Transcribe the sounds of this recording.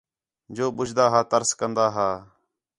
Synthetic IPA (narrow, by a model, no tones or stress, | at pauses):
d͡ʒoːɓʊd͡ʒd̪aːɦaːt̪əɾskənd̪aːɦaː